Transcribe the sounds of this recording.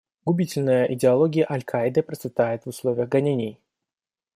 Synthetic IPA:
ɡʊbʲitʲɪlʲnəjəʔɪdʲɪɐlˠoɡʲɪjəʔɐlʲkʰajd̪ɨpɾət̪sʲɪt̪ajɪt̪vʊslˠovʲɪjəxɡɐnʲenʲɪj

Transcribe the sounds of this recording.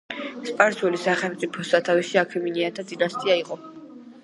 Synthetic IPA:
spʼaɾswɛlisaχɛlˠt̪sʼipʰɔsat̪ʰawisiakʰɛminiat̪ʰad̪inast̪ʼiaiqʼɔ

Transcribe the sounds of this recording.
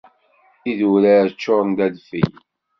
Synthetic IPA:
iðuɾæt͡ʃːoɾˤnd̪æðfḭj

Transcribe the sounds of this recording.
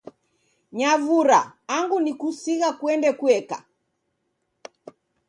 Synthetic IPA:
ɲavuɾa̰ːŋɡunikusiɣakwɛndɛkuɛka̰

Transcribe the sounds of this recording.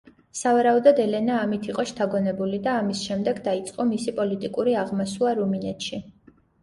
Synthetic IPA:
savaɾaud̪ɔd̪ɛlɛnaːmit̪ʰiqʼɔʃt̪ʰaɡɔnɛbulid̪aːmisʃɛmd̪ɛɡd̪ait̪sʼqʼɔmisipʼɔlit̪ʼikʼuɾiaʁmasuaɾuminɛt̪ʃi

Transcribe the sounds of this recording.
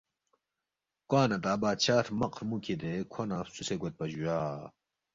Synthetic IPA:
kwaːnɐt̪aːbaːt̪ɕaːt̪ʰmɐqɾmukʰid̪ekʰonafsuseɡwet̪̚pɐd͡ʑujaː

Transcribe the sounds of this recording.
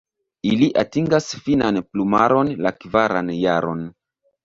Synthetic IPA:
iliʔatiŋɡasfinanplumaɾo̞nlakvaɾanjaɾo̞n

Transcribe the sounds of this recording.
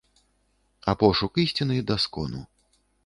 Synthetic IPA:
apɔʂukisʲt͡sʲinɨjd̪askɔnṵ

